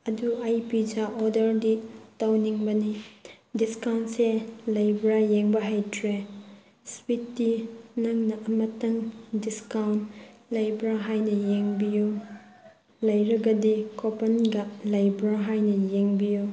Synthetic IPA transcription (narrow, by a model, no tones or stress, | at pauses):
ɐduajpid͡ʒaʔɔdɐɾditɐwniŋbɐni | diskawntselɐjbɾajeŋbɐɦajtʰɾe | switdinɐŋnɐʔɐmɐtɐŋdiskawntlɐjbɾaɦajnɐjeŋbiju | lɐjɾɐɡɐdikopɐnɡɐlajbɾaɦajnɐjeŋbiju